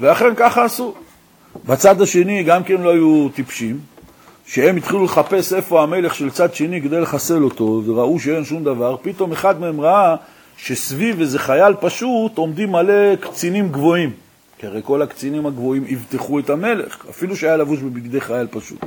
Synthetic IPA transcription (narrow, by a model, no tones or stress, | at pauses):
veaχe̞nkaχaːsu | bat͡sad̪aʃe̞niɡamke̞nlo̞ajut̪ipʃim | ʃeemit̪χiluleχape̞se̞fo̞ame̞le̞χʃelt͡sad̪ʃe̞niked̪ejleχase̞lo̞t̪o̞veʁauʃee̞nʃumd̪avaʁpit̪o̞me̞χad̪meemʁaa | ʃe̞svivezeχajalpaʃut̪o̞md̪imːale̞kt͡sinimɡvo̞im | kaʁejko̞lakt͡sinimaɡvo̞imivt̪eχue̞t̪ame̞le̞̰χa̰filuʃeajalavuʃbebiɡd̪e̞χajalpaʃṵt̪